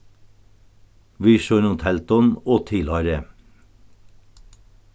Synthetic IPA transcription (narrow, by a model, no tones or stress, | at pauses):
ʋiːʃøːɾnʊːt̪ʰɛlt̪ɔnoːt̪ʰɪlhɑːɾə